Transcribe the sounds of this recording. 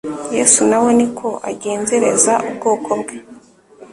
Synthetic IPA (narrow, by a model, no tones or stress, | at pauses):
je̞ːsunawe̞nikʰo̞ʔaɟeːnze̞ɾe̞̰zaʔubɡo̞ːko̞bɡwe